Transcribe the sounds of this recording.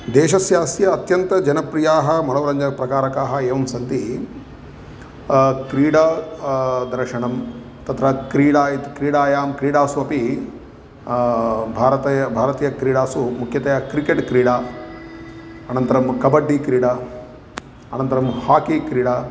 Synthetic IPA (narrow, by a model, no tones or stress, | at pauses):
d̪eːʃɐsjaːsjɐːt̪jɐnt̪ɐd͡ʒɐnɐpɾijaːɦɐmɐlɐːɾɐɲd͡ʒɐpɾɐkaːɾɐkaːɦɐeːʋɐmsɐnt̪i | kɾiːɽaː | d̪ɐɾʂɐɳɐm | t̪ɐt̪ɾɐkɾiːɽaːit̪kɾiːɽaːjaːmkɾiːɽaːsuɐpi | bʱaːɾɐt̪ɐjɐbʱaːɾɐt̪iːjɐkɾiːɽaːsumukʰjɐt̪ɐjaːkɾikeʈkɾiːɽaː | ɐnɐnt̪ɐɾɐmkɐbɐɖːikɾiːɽaː | ɐnɐnt̪ɐɾɐmhaːkikɾiːɽaː